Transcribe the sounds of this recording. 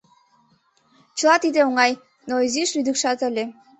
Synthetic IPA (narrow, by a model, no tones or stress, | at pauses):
t͡ɕə̆lɑt̪id̪eoŋɑj | noiziʃlyd̪əkʃɑt̪əlʲe